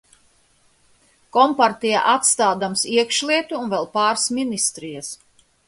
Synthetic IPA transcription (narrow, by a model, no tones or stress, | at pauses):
kɔmpaɾt̪ija̰ʔat̪st̪aːd̪amsiɛkʃlˠiɛt̪uːnvɛlˠpaːɾsminist̪ɾijas